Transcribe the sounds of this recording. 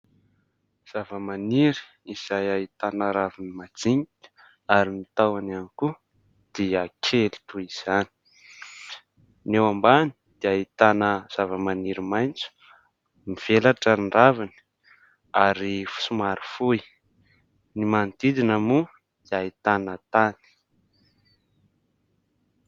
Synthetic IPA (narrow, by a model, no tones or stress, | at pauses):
z̥avəmaniɾi̥ | iz̥ajait̪anəɾavinimad͡ziŋi̥ | aɾinit̪awananiku | d̪̥eakʰeli̥t̪uiz̥ani̥ | newambani̥d̪̥eait̪anəz̥avəmaniɾimajnt͡su̥ | miv̥elaʈ͡ʂanɖ͡ʐavani̥ | aɾifu̥sumaɾifuj | nimant̪id̪inamu | d̪iait̪anət̪ani̥